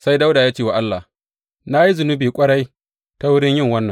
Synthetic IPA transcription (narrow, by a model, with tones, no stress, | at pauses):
sa˦jda˦wdaː˨jaː˦t͡ʃeː˦˨wa˨ʔa˦lːa˨ | na˦ji˦zʊ˨nʊ˦biː˨kʷʼɐ˦ɽa˦j | ta˦wʊ˦ɽɪ˦ɲjɪ˦˨ŋwɐ˦nːɐ˨ŋ